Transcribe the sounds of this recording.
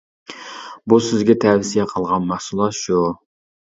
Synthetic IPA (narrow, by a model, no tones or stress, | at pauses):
busɪzɡʲɛt̪ʰɛwsijɛqʰəlˠʁɑnmæhsulˠɑt̪ʃu